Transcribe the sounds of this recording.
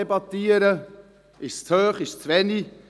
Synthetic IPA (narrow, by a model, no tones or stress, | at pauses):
ɛbɑt̪iːəɾə | ɪʃt͡shøːχɪʃt͡sʋɛni